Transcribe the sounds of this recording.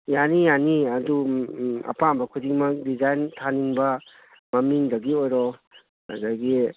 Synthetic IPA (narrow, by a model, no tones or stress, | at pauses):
janijaniɐduɐ̰pambɐkʰudiŋmɐdizajntʰaniŋbɐ | mɐmiŋdɐɡiojɾɔ | a̰daɡi